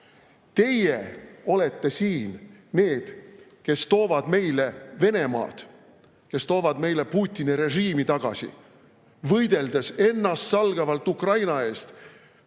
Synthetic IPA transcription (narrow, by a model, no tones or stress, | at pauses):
t̪e̞jeo̞le̞t̪ːe̞siːnne̞ːd̪̥ke̞st̪o̞ːvɑd̪me̞jle̞ve̞ne̞mɑ̰ːd̪̥ | ke̞st̪o̞ːvɑd̪me̞jle̞puːt̪ʲːˑiniɾe̞ʒiːmit̪ɑɡ̥ɑ̰sḭ | vɤjd̪̥e̞ld̪ese̞nːɑst̪sɑlɡ̥ɑvɑlt̪ukrɑjnɑe̞ːst̪